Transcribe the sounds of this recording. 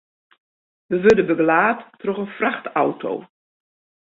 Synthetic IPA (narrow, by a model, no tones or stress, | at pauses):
ʋəʋɵdəbəɡlaːtː | rɔχənfraxtawtʰo̰w